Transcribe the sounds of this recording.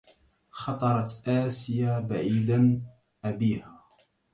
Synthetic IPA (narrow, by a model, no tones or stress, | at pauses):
xɑt̪ˤɑɾˤɑt̪ʔaːsɪjaːbaʕiːd̪an | ʔabiːhaː